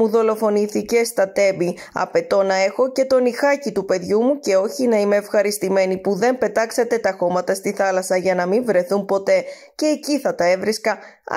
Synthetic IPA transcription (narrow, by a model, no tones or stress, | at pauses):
uðo̞lo̞fo̞niθice̞st̪ɐt̪e̞bi | ɐ̰pe̞t̪o̞nɐe̞xo̞ce̞t̪o̞nixɐcit̪upe̞ðʝumuce̞o̞çinɐime̞ːfxɐɾist̪ime̞nipuðe̞mpe̞t̪ɐkset̪e̞t̪ɐxo̞mɐt̪ɐst̪iθɐlɐsɐʝɐnɐmiɱvɾe̞θunpo̞t̪e̞ | ce̞ːciθɐt̪ɐe̞vɾiskɐ